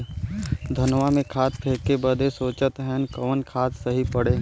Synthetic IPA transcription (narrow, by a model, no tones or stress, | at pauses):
d̪ʱɐnʋamẽkʰaːt̪̚pʰeːkebəd̪ʱesoːt͡ʃət̪ɦɛnkɔːnkʰaːt̪səɦipəɽe